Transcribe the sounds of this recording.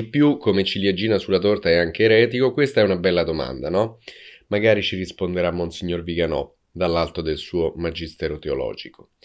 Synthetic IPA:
ipːjukʰːomet͡ʃiliad͡ʒiːnasulːat̪ort̪aɛaŋk̟eːɾɛːt̪ikokwest̪aɛunabɛlːad̪oma̰nd̪anɔmaɡaːɾit͡ʃirispond̪eɾamːonsiɲːorviɡanɔ̰ | d̪alːalt̪od̪elsuːomad͡ʒist̪ɛːɾot̪eolɔ̰ːd͡ʒiko̥

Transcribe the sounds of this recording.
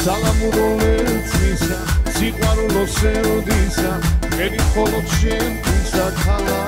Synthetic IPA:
salamuɾɔlɛɾusʰʼmisasiqʼwaɾulɔsɛɾud̪isaɛɾiχɔlɔt̪ʃɛnt̪ʰʼisat̪ʰala

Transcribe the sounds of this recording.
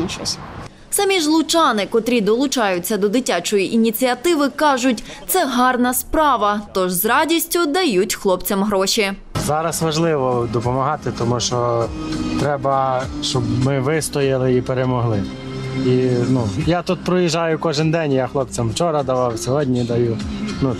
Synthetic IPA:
t͡ʃɔsʲ | sɑmʲiʒlˠʊt͡ʃɑnɪkɔt̪ɾʲid̪ɔlˠʊt͡ʃɑjʊt͡sʲːɐd̪ɔd̪ɪtʲat͡ʃɔjiʔinʲit͡sʲiɐt̪ɪʋɪkɑʒʊtʲ | t̪sɛɦɑrnɐspɾɑʋɐt̪ɔʒzɾɑdʲisʲtʲʊd̪ɐjutʲxlˠɔpt͡sʲɐmɦɾɔʃʲi | zɑɾɐsʋɐʒlˠɪʋɔd̪ɔpɔmɐɦɑt̪ɪt̪ɔmuʃt͡ʃɔ | t̪ɾɛbɐʃt͡ʃɔbmɪʋɪst̪ɔjɪlˠɪipeɾemɔɦlˠɪ | inujat̪ut̪̚pɾɔjiʒɑjʊkɔʒɪnd̪ɛnʲjaxlˠɔp̚t͡sʲɐmwt͡ʃɔɾɐd̪ɐʋɑwsʲɔɦɔdʲnʲid̪ɐjunu

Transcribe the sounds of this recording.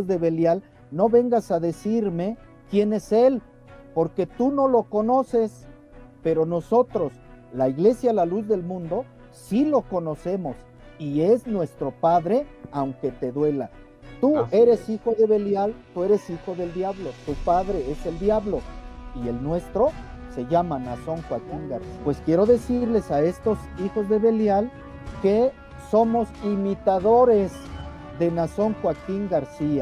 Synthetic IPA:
zðe̞βe̞ljal | no̞βe̞ŋɡasaðe̞siɾme̞ | kje̞ne̞se̞l | po̞ɾke̞t̪uno̞lo̞ko̞no̞se̞s | pe̞ɾo̞no̞so̞t̪ɾo̞slaiɣle̞sjaːlaluzðe̞lmũnd̪o̞ | silo̞ko̞no̞se̞mo̞s | ie̞znwe̞st̪ɾo̞paðɾe̞awŋke̞t̪e̞ðwe̞la̰ | t̪ue̞ɾe̞sixo̞ðe̞βe̞ljalt̪ue̞ɾe̞sixo̞ðe̞ld̪jaβlo̞t̪upaðɾe̞e̞se̞ld̪jaβlo̞ie̞lnwe̞st̪ɾo̞se̞ʝamanaso̞ŋxwakiŋɡaɾsipwe̞skje̞ɾo̞ðe̞siɾle̞sae̞st̪o̞sixo̞zðe̞βe̞ljal | ke̞ | so̞mo̞simit̪aðo̞ɾez | ðe̞naso̞ŋxwakiŋɡaɾsia

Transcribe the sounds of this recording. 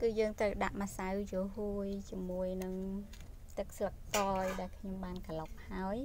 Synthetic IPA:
kɨːjəːŋt̪rəwɗa̰ʔmasawt͡ɕoəɦuəjt͡ɕiəmuəjnɨŋ | t̪ɨk̚slək̚t̪ɑːjɗaɛlkʰɲomɓaːnkalop̚haəj

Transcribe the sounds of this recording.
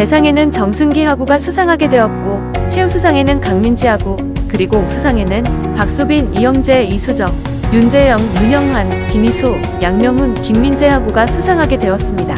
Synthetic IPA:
te̞sʰaŋe̞nɯnt͡ɕʌŋsʰunɡiɦaɡuɡasʰusʰaŋɦaɡe̞dwe̞ʌt̚k͈o | t͡ɕʰeusʰusʰaŋe̞nɯnkaŋmind͡ʑiɦaɡo | kɯɾiɡosʰusʰaŋe̞nɯn | pak̚s͈ubinijʌŋd͡ʑe̞isʰud͡ʑʌŋ | jund͡ʑe̞jʌŋjuɲʌŋɦanpimisʰo | jaŋmjʌŋunkiŋmind͡ʑe̞ɦaɡuɡasʰusʰaŋɦaɡe̞dwe̞ʌs͈ɯmɲida

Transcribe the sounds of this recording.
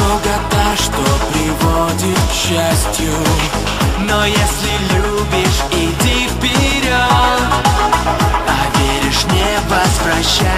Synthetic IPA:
oɡɐt̪aʂt̪opɾʲɪvodʲɪt̪kɕːasʲtʲju | nojesʲlʲɪlʲu | bʲɪʂ | iɪdʲifpʲɪɾʲot̪ | ɐvʲeɾʲɪʂnʲevəsvɾɐɕːa

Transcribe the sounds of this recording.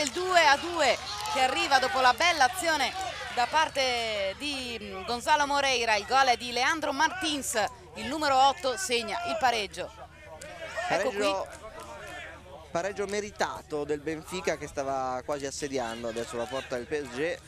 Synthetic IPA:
eld̪uːead̪uːek̟earːiːvad̪ɔːpolabɛlːaːt̪sːjoːned̪apːart̪ed̪iɡonzaːlomoɾɛjɾailɡɔlɛd̪ileand̪ɾomart̪ins | ilnuːmeɾoɔt̪ːoseɲːaʔilpaɾed͡ʒːo | paɛɾɛkːod͡ʒo | paɾɛd͡ʒːomeɾit̪a̰ːt̪od̪elbeɱfiːkak̟est̪aːvakwaːziasːed̪jand̪oad̪ɛsːolapɔrt̪ad̪elpiɛd͡ʒɛ

